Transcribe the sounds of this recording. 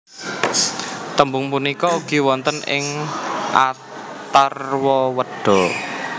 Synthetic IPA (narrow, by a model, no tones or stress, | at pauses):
t̪əmbʊŋpunikɔuɡ̥i̤wɔnt̪ənɪ̰ŋʔa̰ | t̪arwɔwəɖ̥ɔ̤